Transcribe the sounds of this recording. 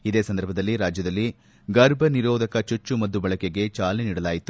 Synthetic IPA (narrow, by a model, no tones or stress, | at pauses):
id̪e̞ːsɐnd̪ɐɾbʱɐd̪ɐlːiɾaːd͡ʒjɐd̪ɐlːi | ɡɐɾbʱɐniɾɔːd̪ɐkɐt͡ʃut͡ʃːumɐd̪ːubɐɭɐkeɡe̞t͡ʃaːleniːɽɐlaːjit̪u̥